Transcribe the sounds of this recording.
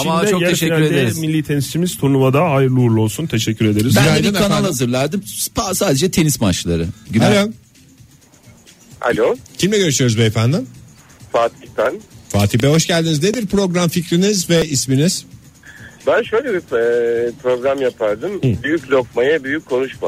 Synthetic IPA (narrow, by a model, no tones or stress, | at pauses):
amad̪t͡ʃokɟɛeʃɛcʲyɾedd̪eɾizmilʲːiːt̪ʰenist͡ʃʰimiz̥t̪ʰuɾnumad̪aajɯɾlˠuɾlˠo̞lˠsunt̪ʰe̞ʃɛcʰːyɾe̞d̪eɾiziajjd̪akanahazɯɾlʲˠaɾd̪impasaːd̪e̞d͡ʒɛt̪ʰe̞nismat͡ʃlˠa̰ɾɯɟnlʲo | a̰lʲocʰimlʲɛɟø̞ɾyʃyjo̞ɾuzbɛːfænd̪im | faːt̪ʰipænfaːt̪ʰip̬ɛɦo̞ʃɟælʲd̪inizned̪iɾpɾo̞ɡɾamficɾinizvɛisminiz̥ | bænʃøjlʲɛbi | pʰɾo̞ɡɾamjapʰaɾd̪ɯmbyjyclʲok̚majabyjyckʰːo̞nuʃma̰